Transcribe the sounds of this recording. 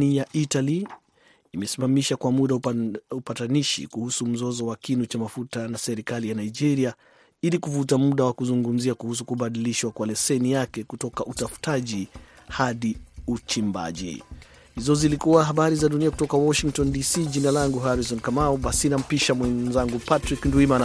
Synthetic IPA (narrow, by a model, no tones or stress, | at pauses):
nijaʔitaliː | mɛsimamiʃakwamuɗaupataniʃḭkuhusum̩zɔzɔwakinut͡ʃamafutanasɛɾikalijanaid͡ʒɛɾia | ilikuvutamuɗawakuzuŋɡum̩ziakuhus̬ukuɓaɗiliʃwakwalɛsɛnijakɛkutɔkaʔutafu̥taʄihaɗiut͡ʃimba̰ʄḭ | hizɔzilikuwaɦaɓaɾizaɗuniaku̥tɔkawɔʃiŋk̚tɔndisiːʄinalaŋɡuɦaɾis̬ɔnkamauɓasinam̩piʃamwɛnzaŋɡupatɾiknduiman